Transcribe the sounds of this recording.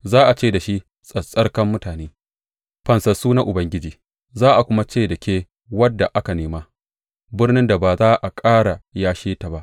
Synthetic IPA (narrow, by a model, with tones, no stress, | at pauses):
zaː˦ʔa˨t͡ʃeː˦˨da˨ʃi˦ | sʼɐ˨sʼɐ˦rkɐ˦mːʊ˦taː˨neː˦ | ɸɐ˨nsɐ˨suː˦na˦ʔʊ˨bɐ˦ŋɡʲɪ˦d͡ʒiː˨ | zaː˦ʔa˨kʷʊ˦ma˦t͡ʃeː˦˨dɐ˨kʲeː˦ | wɐ˦dːa˨ʔa˦ka˨neː˨maː˦ | bɪ˦rnɪ˦nda˨baː˨zaː˦ʔa˨kʼaː˦ɽa˨jaː˦ʃeː˦ta˨ba˦ʔ